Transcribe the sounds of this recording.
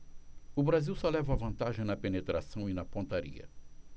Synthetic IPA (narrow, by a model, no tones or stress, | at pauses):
ʊbɾaziwsɔlɛvɐavɐ̃nt̪aʒẽj̃nɐpenet̪ɾasɐ̃w̃inɐpõnt̪aɾḭɐ̰